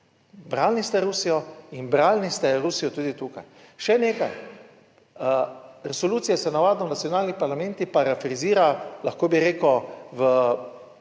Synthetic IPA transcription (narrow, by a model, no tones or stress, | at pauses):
bɾaːlnist̪ɛɾusijɔinbɾaːlnist̪ɛɾusijɔt̪uːd̪it̪uːka̰j | ʃɛneːkaj | ɾɛsɔluːt̪sijasɛnaʋaːd̪nɔnat̪sijɔnaːlnipaɾlamɛ̃nt̪ipaɾafɾiziːɾalaxkoːbiɾeːkɔʋə